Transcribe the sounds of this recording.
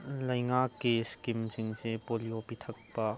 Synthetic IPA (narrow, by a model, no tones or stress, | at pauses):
lɐjŋakːeskimsiŋsepoliopit̪ʰɐk̚pɐ